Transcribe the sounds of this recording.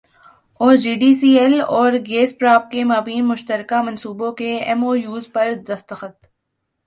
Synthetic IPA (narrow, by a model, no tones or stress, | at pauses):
oːd͡ʒiːɖiːsiːɛlɔːɾɡeːspɾaːp̚kemaːbiːnmʊʃt̪əɾkamɐ̃nsuːbõkeɛmoːjuːzpɐɾd̪ɐst̪əxət̪